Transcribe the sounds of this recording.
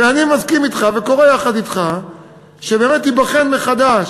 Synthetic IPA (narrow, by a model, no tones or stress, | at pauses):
eanimazkimit̪χaveko̞ʁejaχad̪it̪χa | ʃebeːmetibaχenmeχad̪aʃ